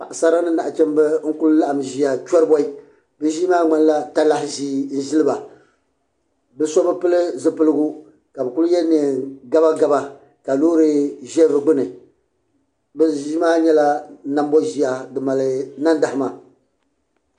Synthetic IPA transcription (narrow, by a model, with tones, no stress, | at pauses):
pa˨ʔa˨sa˦ɾa˦nɨ˦na˨ʔa˨t͡ʃɛ˦m˦bɛ˦ŋ̩˦kʊ˦lʊ˦la˦ʔa˨m˨ʒi˦a˨t͡ʃɔ˦ɾɨ˦bɔ˦i˦ | bɨ˦ʒi˦maː˦ŋ͡ma˨n˦la˦ta˦la˦hɪ˦ʒiː˦n̩˦ʒɪ˦lɨ˦ba˨ | bɛ˦sɔ˦bɨ˦pɨ˦lɨ˦zɨ˦pɨ˦lɨ˦ɡʊ˦ | ka˨bɛ˨kʊ˦lʊ˦jɛ˦nɨ˨ɡa˦ba˦ɡa˦ba˦ | ka˨loː˦ɾɨ˦ʒɛ˦bɨ˨ɡ͡bɨ˦nɨ˨ | bɛ˦ʒi˦maː˦ɲɛ˦la˦na˦m˦bɔ˦ʒi˨ja˨dɨ˨ma˨lɨ˨na˦nda˨hɪ˦ma˨